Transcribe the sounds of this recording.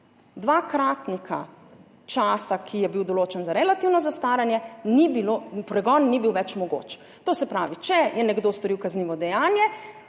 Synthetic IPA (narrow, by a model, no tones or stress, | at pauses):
d̪ʋaːkɾaːt̪nika̰ | t͡ʃaːsakʰijɛbiwd̪ɔloːt͡ʃɛnzaɾɛlat̪iwnɔzast̪aːɾɛnjɛnibilopɾɛɡɔnːibiwʋɛt͡ʃmɔɡo̰ːt͡ʃ | t̪oːsɛpɾaːʋit͡ʃɛjɛnɛɡd̪oːst̪ɔɾiwkazniːʋɔd̪ɛjaːnjɛ